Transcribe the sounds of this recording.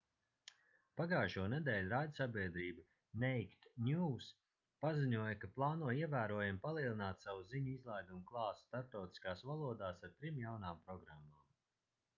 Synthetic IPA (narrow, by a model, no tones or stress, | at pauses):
paɡaːjʃuɔnɛd̪ɛːlʲɾaːd̪ʲsabʲiɛd̪ɾiːbɨ | nɛjkt̪nʲuːs | paziɲuɔjakaplˠɑːnuɔiɛvæːɾuɔjampalˠiɛlˠinaːt̪sawuziɲuizlˠajd̪umuklˠɑːsst̪aɾp̚t̪awt̪i̥skaːsvalˠuɔd̪aːsaɾt̪ɾimjawnaːmpɾɔɡɾamːaːm